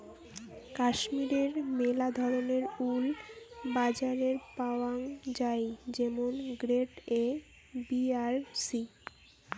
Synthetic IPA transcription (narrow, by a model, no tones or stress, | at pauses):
kaʃmiɾeɾmelad̪ʱɔɾoneɾulbad͡ʑaɾeɾpaoaŋd͡ʑajd͡ʑemonɡɾeʈe | biaɾsi